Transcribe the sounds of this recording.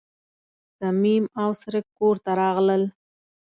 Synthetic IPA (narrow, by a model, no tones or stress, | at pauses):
samimawsɾɪkːoɾt̪aɾɑɣləl